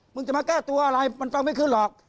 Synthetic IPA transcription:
mɯ˧ŋt͡ɕa˨˩maː˧˩kɛː˥˩t̪u˧ɐʔa˧ɾa˧jma˧nfa˧ŋma˥˩jkʰɯː˦˥˩nlɔː˨˩k̚

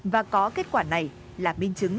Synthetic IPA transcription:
vaː˨˩kɔ˨˦ke˦˥t̚kwaː˧˩na˨˩j | laː˨˩mï˧ŋt͡ɕɨ˨˦ŋ

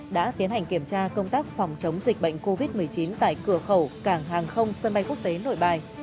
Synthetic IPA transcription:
ɗa̰ː˧˥t̪i˨˦nha˨˩jŋ̟ki˧˩əmt͡ɕaː˧kə˧wŋ͡mt̪aː˦˥k̚fɔ˨˩wŋ͡mt͡ɕə˨˦wŋ͡mzï˨˩k̟̚ɓə̰˧˨jŋ̟ko˧vi˦˥t̚mɨ˨˩əjt͡ɕi˨˦nt̪a̰ː˧˨jkɨ˧˩əxə˧˩wkaː˧˩ŋɦaː˨˩ŋxə˧wŋ͡msə˧nɓa˧jku˦˥ək̚t̪e˨˦no̰˧˨jɓaː˨˩j

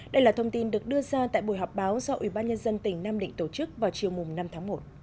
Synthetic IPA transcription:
ɗə˧jlaː˨˩t̪ʰə˧wŋ͡mt̪i˧nɗɨ˨˩ək̚ɗɨ˧əzaː˧t̪a̰ː˧˨jɓo˧˩jɦɔ˨˩k͡p̚ɓaː˨˦wsɔ˧ʔwḭ˧˩ɓaː˧nɲə˧nzə˧nt̪ï˧˩ŋ̟naː˧mɗḭ˧˨ŋ̟t̪o˧˩t͡ɕɨ˦˥k̚vaː˨˩wt͡ɕi˨˩əwmʊ˨˩ŋ͡mna˧mt̪ʰaː˨˦ŋmo˨˩t̚

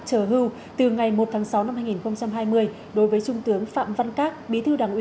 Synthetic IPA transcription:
t͡ɕəː˧˩ɦɨ˧w | t̪ɨ˨˩ŋa˨˩jmo˨˩t̚t̪ʰaː˨˦ŋsa˨˦wna˧mhaː˧jŋi˨˩nxə˧wŋ͡mt͡ɕa˧mɦaː˧jmɨ˧əj | ɗo˨˦jvəː˨˦jt͡ɕʊ˧ŋ͡mt̪ɨ˨˦əŋfa̰ː˧˨mva˧nkaː˦˥k̚ɓi˨˦t̪ʰɨ˧ɗaː˨˩ŋʔi˨˦

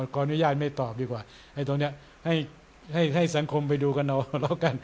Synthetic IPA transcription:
kɔː˧ʔnu˦˥jaː˥˩t̪̚ma˥˩jt̪ɔː˨˩p̚diː˧kwaː˨˩ | ʔa˧˥˩t̪o˧ŋni˦˥ɐ | ha˥˩j | ha˥˩jɦa˥˩jsa˩˦ŋkʰo˧mp̬a˧jduː˧ka˧nla˧wla˧˩wka˧n

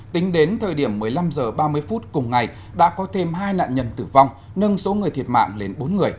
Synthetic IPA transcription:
t̪ï˨˦ŋ̟ɗe˨˦nt̪ʰəː˨˩jɗi˧˩əmːɨ˨˩əjla˧mzəː˨˩ɓaː˧mɨ˧əjfu˦˥t̚kʊ˨˩ŋ͡mŋa˨˩j | ɗa̰ː˧˥kɔ˨˦t̪ʰe˧mɦaː˧jna̰ː˧˨nɲə˧˩nt̪ɨ˧˩va˧wŋ͡m | nə˧nso˨˦ŋɨ˨˩əjt̪ʰi˨˩ət̚ma̰ː˧˨ŋle˨˩nɓo˨˦nŋɨ˨˩əj

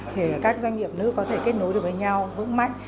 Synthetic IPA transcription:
t̪ʰi˨˩kaː˦˥k̚zwa˧jŋ̟ɲḭ˧˨əp̚nɨ̰˧˥kɔ˨˦t̪ʰe˧˩ke˦˥t̚no˨˦jɗo˧˩vəː˨˦jɲa˧wvɨ̰˧˥ŋma̰˧˨jŋ̟

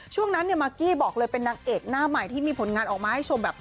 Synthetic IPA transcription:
t͡ɕʰu˥˩əŋna˦˥nːi˥˩maː˧kiː˥˩bɔː˨˩k̚lɤː˧jpe˧nːaː˧ŋʔeː˨˩k̚naː˥˩ma˨˩jt̪ʰiː˥˩miː˧pʰo˨˩˦nŋaː˧nʔɔː˨˩k̚maː˧ha˥˩jt͡ɕʰo˧mbɛː˨˩p̚

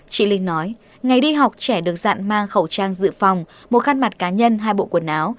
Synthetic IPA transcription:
t͡ɕḭ˧˨lï˧˩ŋnɔ˨˦j | ŋa˨˩jɗi˧ɦa˨˩wk͡p̚t͡ɕɛ˧˩ɗɨ˨˩ək̚za̰ː˧˨nmaː˧ŋxə˧˩wt͡ɕaː˧ŋzɨ̰˧˨fa˨˩wŋ͡m | mo˨˩t̚xaː˧nma˨˩t̚kaː˨˦ɲə˧nɦaː˧jɓo̰˧˨kwə˧˩nʔaː˨˦w

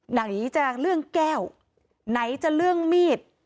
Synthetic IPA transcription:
na˨˩ŋʔiː˨˦t͡ɕa˧˨˩k̚lɯ˥˩əŋkɛː˥˩w | na˨˦jt͡ɕa˨˩lɯ˥˩əŋmiː˥˩t̪̚

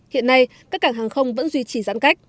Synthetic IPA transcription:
hḭ˧˨ənːa˧jkaː˦˥k̚ːaː˧˩ŋɦaː˨˩ŋxə˧wŋ͡mvə̰˧˥nzwi˧t͡ɕi˨˩za̰ː˧˥nka˦˥jk̚

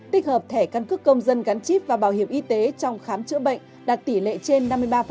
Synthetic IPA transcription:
t̪i˦˥k̟̚həː˨˩p̚t̪ʰɛ˧˩kaː˧nkɨ˦˥əkːə˧wŋ͡mzə˧nɣa˨˦nt͡ɕi˦˥p̚vaː˨˩ɓaː˧˩whi˧˩əwʔi˨˧˦t̪e˨˦t͡ɕɔ˧wŋ͡mxaː˨˦mt͡ɕɨ̰˧˥ɓə̰˧˨jŋ̟ | ɗaː˨˩t̚t̪i˧˩lḛ˧˨t͡ɕe˧nːa˧mːɨ˧əjɓaː˧f

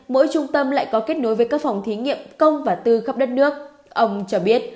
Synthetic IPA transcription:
mo̰˧˥jt͡ɕʊ˧ŋ͡mt̪ə˧mla̰ː˧˨jkɔ˨˦ke˦˥t̚no˨˦jvəː˨˦jkaː˦˥k̚fa˨˩wŋ͡mt̪ʰi˨˦ŋḭ˧˨əmkə˧wŋ͡mvaː˨˩t̪ɨ˧xə˦˥p̚ɗə˦˥t̚nɨ˦˥ək̚ | ʔə˧wŋ͡mt͡ɕɔ˧ɓi˦˥ət̚

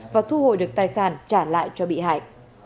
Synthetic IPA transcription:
vaː˨˩t̪ʰu˧ho̰˧˨jɗɨ˨˩ək̚t̪aː˧jsaː˧˩nt͡ɕaː˧˩la̰ː˧˨jt͡ɕɔ˧ɓḭ˧˨ɦa̰ː˧˩j

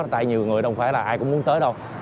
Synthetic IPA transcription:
t̪a̰ː˧˨jɲi˨˩əwŋɨ˨˩jɗə˧wŋ͡mfaː˧˩laː˨˩ʔaː˧jkʊ̰˧˥ŋ͡mmu˨˦ənt̪əː˨˦jɗə˧w

